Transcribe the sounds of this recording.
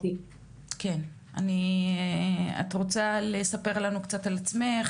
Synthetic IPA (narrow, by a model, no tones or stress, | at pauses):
i | ken | ani | a̰t̪ʁo̞t͡salesape̞ʁlanukt͡satalat͡sme̞χ